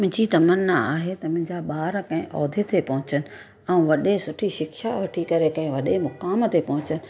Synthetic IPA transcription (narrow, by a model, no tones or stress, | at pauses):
mʊ̃ɪ̃d͡ʑit̪ɐmənːəa̰ːɦet̪ɐmʊ̃ɦɪ̃ɲd͡ʑaɓaːɾkɐ̃ɦɪ̃ʔɔːd̪ʱet̪ʰepɐɦʊ̃t͡ɕənɪ̆ | ɛ̃ũʋɐɗesʊʈʰiʃɪkʃaʋɐʈʰikɐɾekɐ̃ɦɪ̃ʋɐɗemʊkaːmət̪ʰepɐɦʊ̃t͡ɕənɪ̆